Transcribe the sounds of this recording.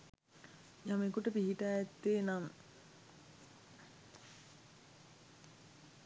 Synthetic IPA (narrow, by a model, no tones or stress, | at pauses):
jamekuʈəpiɦiʈaɛt̪ːeːnam